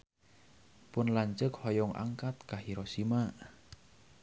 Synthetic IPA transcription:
pʊnlaɲt͡ʃəkhɔjɔŋʔa̰ŋkat̪̚kahiɾɔsimaʔ

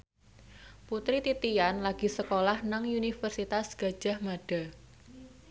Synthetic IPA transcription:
put̪ɾit̪it̪ijanlaɡ̥isəkolahnaŋunifərsit̪asɡ̥a̤d̥ʒ̥a̤hmaɖ̥a̤

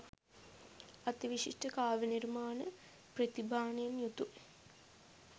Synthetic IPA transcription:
ɐt̪iʋiʂiʂʈəkaːʋənirmaːnə | prɐt̪ibʱaːnɐjemjut̪u

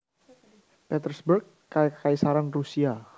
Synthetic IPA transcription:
pɛt̪ərsbərk̚ː | akaisaɾaŋrusia

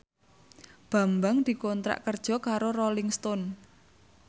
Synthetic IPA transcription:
b̥a̤mbaŋd̪̥i̤kont̪ɾa̰ʔkərd̥ʒ̥ɔ̤kaɾorolɪŋst̪ɔn

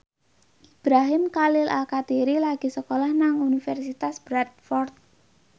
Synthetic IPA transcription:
ʔib̥ɾaɦɪmkalɪla̰lkat̪iɾilaɡ̥i̤səkolahnaŋunifɛrsit̪asb̥ɾat̪̚fɔrt̪̚

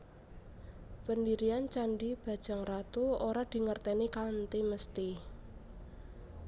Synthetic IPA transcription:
pəndiɾiant͡ʃanɖib̥a̤d̥ʒ̥a̤ŋrat̪uoɾad̪̥i̤ŋərt̪ɛnikant̪iməst̪i

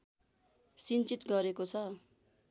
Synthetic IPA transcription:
sint͡sit̪ɡʌɾekot͡sʰʌ

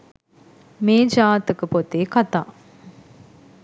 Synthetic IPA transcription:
meːd͡ʒaːt̪əkəpot̪eːkat̪aː

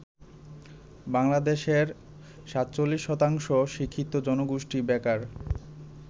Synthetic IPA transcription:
baŋlad̪eʃeɾ | ʃat̪ːt͡ɕolːiʃːɔt̪aŋʃoʃikʰːit̪ːod͡ʑɔnoɡuʃʈibɛkaɾ

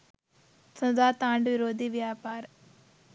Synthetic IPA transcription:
sɐd̪aːt̪aːɳɖʋiɾoːd̪iʋjaːpaːɾ

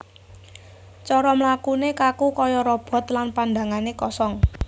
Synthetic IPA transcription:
t͡ʃɔɾɔmlakunekakukɔjɔɾɔb̥ɔ̤t̪lanpand̪a̤ŋanekɔsɔŋ

